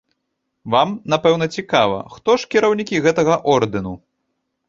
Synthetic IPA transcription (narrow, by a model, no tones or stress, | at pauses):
vamnapɛwnɐt͡sʲikavɐ̰xt̪ɔʂkʲiɾɐwnʲikʲiɣɛt̪ɐɣɐʔɔrd̪ɨnu